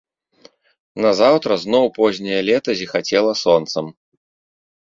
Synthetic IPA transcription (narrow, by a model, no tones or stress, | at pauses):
nɐzawt̪ɾɐznɔwpɔzʲnʲijɐlʲɛt̪ɐzʲixat͡sʲɛlˠɐsɔnt̪sɐm